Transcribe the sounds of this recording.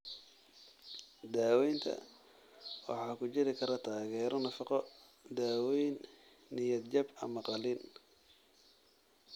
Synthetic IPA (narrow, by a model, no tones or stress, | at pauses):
d̪aːwɛjnt̪ʰɐ̰ | wɑ̰ħɑːkʰʊt͡ʃɪɾɪkʰɐɾɐt̪ʰaːɣɛːɾɔnɐfɑqɔ | d̪aːwɛjnː | ɪjɐd̪t͡ʃɐbɐ̰mɐqɑlin